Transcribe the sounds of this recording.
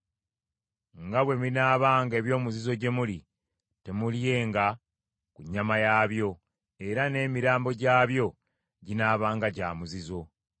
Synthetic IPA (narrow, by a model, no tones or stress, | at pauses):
ŋɡaβwe̞minaːβaːŋɡe̞ːβjo̞ːmuzizo̞ɟe̞muli | te̞mulje̞ːŋɡa | kuɲːamajaːβjo̞ | e̞ɾane̞ːmiɾaːmbo̞ɟaːβjo̞ | ɟinaːβaːŋɡaɟaːmuzizo̞